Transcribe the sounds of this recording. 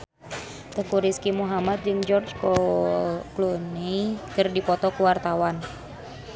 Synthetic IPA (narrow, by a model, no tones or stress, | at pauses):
t̪əkuɾiskimuɦamat̪̚d͡ʒɨŋd͡ʒɔrd͡ʒkɔ | klunikɨrdipɔt̪ɔkuwart̪awan